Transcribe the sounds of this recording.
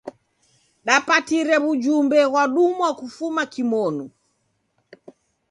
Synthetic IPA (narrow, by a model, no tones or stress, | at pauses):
ɗapatiɾɛβud͡ʒumbɛɣwaɗumwakufumakimɔnu